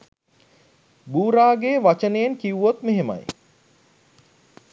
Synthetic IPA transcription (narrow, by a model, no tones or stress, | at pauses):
buːɾaːɡeːʋat͡ʃənejeŋkiuʋot̪meɦemɐ̰j